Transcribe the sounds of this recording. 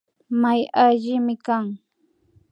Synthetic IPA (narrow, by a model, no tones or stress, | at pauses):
majaʒɪmɪkaŋ